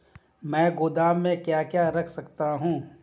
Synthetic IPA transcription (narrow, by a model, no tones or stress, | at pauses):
mɛ̃ːɡʊd̪aːmːẽkjaːkjaːɾɐkʰsɐkt̪aɦũː